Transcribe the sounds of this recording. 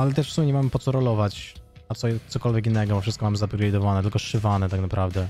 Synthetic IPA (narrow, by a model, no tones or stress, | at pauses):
alɛt̪̬ɛʂfsumʲjɛɲɛmamɘpɔt̪sɔɾɔlɔvat͡ɕ | at̪sɔjɛst̪sɔkɔlvʲjɛk̬inːɛɡɔbɔfʂɘst̪kɔmamɘzapʲɾʲaid̪ɔvanɛt̪ɘlkɔʂɘvanɛt̪aknapɾavd̪ɛ